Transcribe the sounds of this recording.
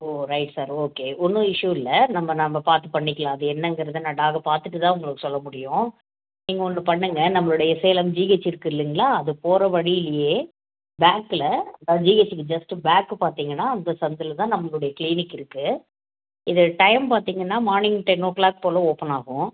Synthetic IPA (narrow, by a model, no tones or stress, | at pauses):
oːɾɐɪʈsaːɾoːkeːʔɔnːɯɪʂuɪlɐnɐmːɐnɐmːɐpaːɾt̪ɯpɐɳːɪkːɐlãːɐðɯɛnːɐŋɡɐɾɐðɯnãːɖaːɣɐpaːɾt̪ɯʈːɯt̪ãːʊŋɡɐɭɯkːɯsɔlːɐmʊɽɪjʊ̃ | niːŋɡɐɔnːɯpɐɳːɯŋɡɐnɐmːɐɭɯɽɐjɐseːlɐmd͡ʒiːet͡ʃːɪɾɯkːɯɪlːɪŋɡɐɭaːɐðɯpoːɾɐʋɐɻɪjɪlɐjeː | baːkɪlɐɐnd̪aːd͡ʒiːet͡ʃːkːɯd͡ʒɐsʈɯbaːkːɯpaːɾt̪iːŋɡɐnːaːɐnd̪ɐsɐnd̪ɯlt̪ãːnɐmːɐɭɯɽɐjɐkliːnɪkːɪɾɯkːɯ | ɪðɐʈɐjmpaːɾt̪iːŋɡɐnːaːmaːɾnɪŋɡʈːɐnoːʈklaːk̚poːlɐoːpɐnaːɣʊ̃